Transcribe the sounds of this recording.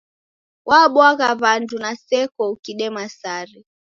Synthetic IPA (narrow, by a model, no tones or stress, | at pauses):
wʔaɓwaɣaβandunasɛkɔukiɗɛmasaɾɛ